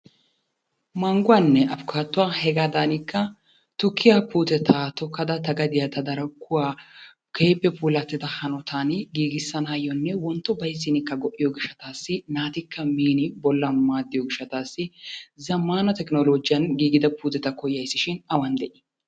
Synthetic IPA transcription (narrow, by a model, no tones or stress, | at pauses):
mɐŋɡʊwɐnːɛʔɐfʊkʰaːt̪ːʊwaːhɛɡaːd̪aːnɪkːɐ | t̪ʊkʰːɪjapuːt̪ɛt̪ʰaːt̪ɔkːɐd̪ɐt̪ɐɡɐd̪ɪjɐt̪ɐd̪ɐɾɐkːʊwaː | kʰeːpːɛpuːlɐt̪ːɪd̪ɐhɐnɔt̪ʰaːnɡiːɡɪsːɐnɐjɔnːɛwɔnt̪ːɔbɐjzːɪnɪkːɐɡɔʔːɪjɔɡɪʃːɐt̪aːsːɪnaːt̪ɪkʰːɐmiːnɪbɔlːɐnmaːd̪ːɪjɔɡɪʃːɐt̪aːsːɪzɐmːaːnɐt̪ɛknɔlod͡ʒɪjɐnɡiːɡɪd̪ɐpuːt̪ɛt̪ɐkɔjɐjsːɪʃɪnɐwɐnd̪ɛʔɪ̥